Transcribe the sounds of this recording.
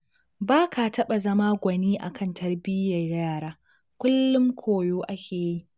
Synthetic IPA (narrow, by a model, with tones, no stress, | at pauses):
baː˦kʰa˨tɐ˦ɓa˨zɐ˦maː˦ɡʷɐ˨niː˦ʔa˨kʰɐ˦˨ntʰɐ˦rbɪ˦jɐ˨rjaː˦˨ɾaː˦ | kʷʊ˦lːʊ˦ŋkʷʰoː˨joː˦ʔa˦kʲeː˨ji˦ʔ